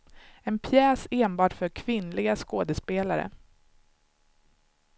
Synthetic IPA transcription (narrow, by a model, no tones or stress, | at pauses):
ɛnpʰjɛːseːnbɑːʈfœɾkʰvɪnlɪɡaskoːd̪əspeːlaɾə̰